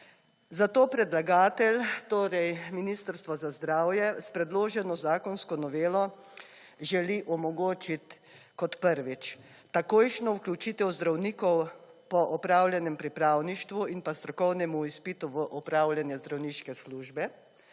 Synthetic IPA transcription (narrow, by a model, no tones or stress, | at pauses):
zat̪oːpɾɛd̪laɡaːt̪ɛlt̪oːɾɛjminiːst̪əɾst̪ʋɔzazd̪ɾaːwjɛspɾɛd̪loːʒɛnɔzaːkɔnskɔnɔʋeːlɔ | ʒɛliʔɔmɔɡoːt͡ʃit̪ | kɔt̪pəɾʋit͡ʃ | t̪akoːjʃnɔuklʲut͡ʃiːt̪ɛwzd̪ɾawniːkɔwpɔʔɔpɾaːwlʲjɛnɛmpɾipɾaːwniʃt̪ʋuinpast̪ɾɔkɔwnɛmuispiːt̪uʋəʔɔpɾaːwlʲjanjɛzd̪ɾawniːʃkɛsluːʒbɛ